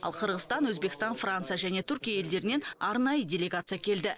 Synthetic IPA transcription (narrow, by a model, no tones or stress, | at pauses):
ɑ̰lˠqʰəɾʁəst̪ɑnwɵzbe̞kʲɪst̪ɑnfrant̪sɨjaʒæne̞t̪ʰʏɾkʲijaje̞ld̪e̞ɾɪne̞nɑɾnɑjədʲe̞lʲe̞ɡat̪sɨjakʲʰe̞ld̪ɪ